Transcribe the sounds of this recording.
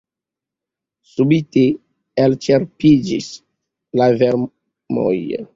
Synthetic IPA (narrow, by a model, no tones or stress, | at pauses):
subite | elt͡ʃeɾpid͡ʒḭs | laveɾ | mo̰j